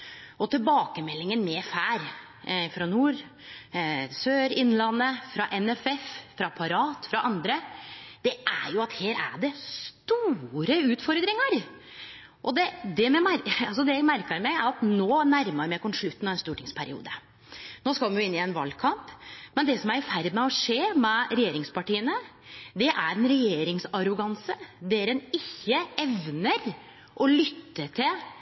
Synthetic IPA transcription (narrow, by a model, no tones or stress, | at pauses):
ʔɔt̪ʰɪlbɑːkəmɛlːɪŋənmɛfæːɾ | fɾɑnuːɾ | søːɾɪnːlɑnːəfɾɑʔɛnɛfɛffɾɑpʰɑɾɑːt̪fɾɑʔɑnd̪ɾəd̪̥ɛʔæɾjʊɑt̪heːɾæ̰ɖɛst̪uːɾəʉːt̪fɔɾd̪ɾɪŋəɾ | ʔɔd̪ɛd̪ɛmɛmæɾɑls̬ɔd̪ɛjæɡmæɾkəɾmɛɪæɾɑt̪noːnæɾməɾmɛæɪkʰɔmʂɭʉt̪ːn̩ɑʋɛnst̪uːʈɪŋspʰæɾɪ̰ṵːd̪ə | noːskɑlɛmjʊɪnːɪɛnʋɑ̰lkʰɑmpmɛnd̪ɛsɔmæɾɪfæɾd̪mɛɔʂeːmɛɾɛjeːɾɪŋspɑʈiːənəd̪ɛʔæɾɛnɾɛjeːɾɪŋsɑɾʊɡɑnsəd̪ɛɾɛnɪçːəɛʋnəɾ | ʔɔlʏt̪ːəʈʰɪl